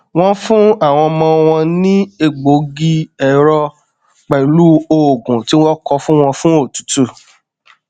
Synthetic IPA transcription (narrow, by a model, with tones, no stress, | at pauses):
w̃ɔ̃˦fũ˦a˦˨w̃ɔ̃˧mɔ̃˧w̃ɔ̃˧nĩ˦e˦˨ɡ͡bo˨˦ɡi˦ɛ˨˦ɾɔ˧ | k͡pɛ˨i˨lu˦o˨ɡũ˨ti˨˦w̃ɔ̃˦kɔ˧fũ˦w̃ɔ̃˧fũ˦o˦˨tu̥˨˦tu˦˨